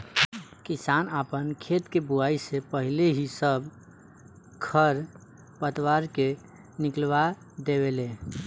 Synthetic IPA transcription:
kisanapənkʰet̪kebuaisepəɦileɦisəb | kʰəɾ | pət̪waɾke | niklba | d̪eβelẽ

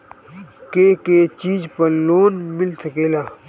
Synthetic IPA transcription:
keːket͡ʃiːd͡ʒpɐɾloːnmɪlsɐkeːlaː

